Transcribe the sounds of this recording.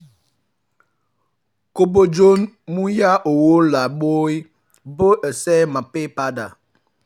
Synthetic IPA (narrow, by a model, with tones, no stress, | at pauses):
ko˦bo˦d͡ʒo˦nmu˦ja˦ʔo˨wo˦la˨ɓo˦i˦ | bə˦ʔə˨sɛ˦ma˨pe˦pa˦da˨